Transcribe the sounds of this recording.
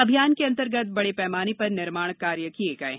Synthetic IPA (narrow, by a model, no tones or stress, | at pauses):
ɐbʱijaːnkeɐ̃nt̪əɾɡət̪̚ʰbɐɽepɛːmaːnipɐɾnɪɾmaːɽ̃kːaːɾjəkieːkaḛ̃ː